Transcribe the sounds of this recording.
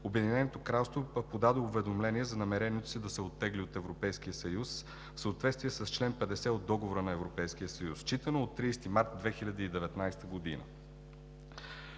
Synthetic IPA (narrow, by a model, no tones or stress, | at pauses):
obɛd̪inɛnot̪okɾalˠst̪vopod̪ad̪oːvɛd̪omlɛniɛzɐnɐmɛɾɛniɛt̪o̥sid̪ɐsɛot̪ːɛɡliot̪ɛvɾopɛjsk̟ijəsɐjus | fsəːt̪vɛt̪st̪vijɛsəst͡ʃlɛnpɛd̪ɛsɛod̪ːɔɡovoɾənɐɛvɾopɛjsk̟ijəsəjust͡ʃit̪ənoːt̪ːɾiːst̪imaɾt̪̚d̪vɛxilʲɐd̪iːd̪ɛvɛt̪najst̪əɡod̪ḭnə̰